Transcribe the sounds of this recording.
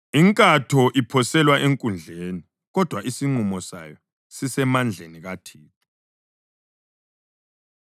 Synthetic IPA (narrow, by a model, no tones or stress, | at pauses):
iŋkʼatʰɔʔipʰɔsɛlwaʔeŋkʼund͡ɮʱeːni | ɣɔd̥ʱwaisiŋ͡ǃumɔsa̰jɔ | sisɛmand͡ɮʱeniɣatʰiːtʰɔ